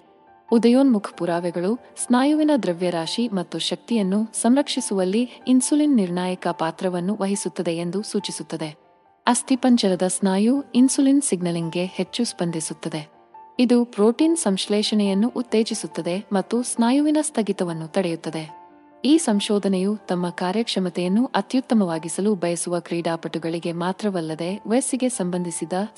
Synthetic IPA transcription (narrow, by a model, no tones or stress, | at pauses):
ud̪ɐjoːnmukʰɐ̥puɾaːʋɛɡɐɭu | snaːjuʋinɐd̪ɾɐʋjɐɾaːʃimɐt̪ːuʃɐk̚t̪ijɐnːusɐmɾɐkʂisuʋɐlːiːnsulinːiɾɳaːjɐkɐpaːt̪ɾɐʋɐnːuʋɐɦisut̪ːɐd̪e̞ːnd̪usuːt͡ʃisut̪ːɐd̪e̞ | ɐst̪ʰipɐɲt͡ʃɐɾɐd̪ɐsnaːjuinsulinsiɡnɐliŋɡe̞he̞t͡ʃːuspɐnd̪ʱisut̪ːɐd̪e̞ | id̪upɾoːʈiːnsɐmʃlɛːʃɐnɛjɐnːuʔut̪ːeːd͡ʒisut̪ːɐd̪e̞mɐt̪ːusnaːjuʋinɐst̪ʰɐɡit̪ɐʋɐnːut̪ɐɽɛjut̪ːɐd̪e̞ | iːsɐmʃɔːd̪ʱɐnɛjut̪ɐmːɐkaːɾjɐkʂɐmɐt̪ɛjɐnːuʔɐt̪jut̪ːɐmɐʋaːɡisɐlubʱɐjɐsuʋɐkɾiːɖaːpɐʈuɡɐɭiɡe̞maːt̪ɾɐʋɐlːɐd̪e̞ʋesiɡe̞sɐmbɐnd̪ʱisid̪ɐ